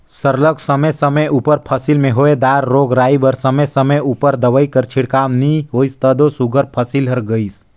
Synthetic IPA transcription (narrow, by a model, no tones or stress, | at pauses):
səɾləɡsɐməsəməjupəɾpʰəsilmẽɦoːed̪aːɾːoːɡɾaːibəɾsɐməsɐməuːpəɾd̪ɐʋəikəɾt͡ʃʰɪɽkaːmniɦoːist̪əd̪osuɡəɾpʰəsilɦəɾɡəis